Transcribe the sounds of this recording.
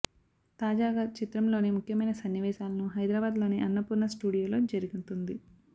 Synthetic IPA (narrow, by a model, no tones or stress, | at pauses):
t̪aːd͡ʒaːɡaːt͡ʃit̪ɾɐmlo̞ːnemukʰjɐmɐjnɐsɐnːiʋɛːʃaːlɐnuɦɐjd̪ɾaːbaːd̪lo̞ːniʔɐnːɐpuɾnɐsʈuːɽijoːlo̞ːd͡ʒɐɾiɡunt̪und̪i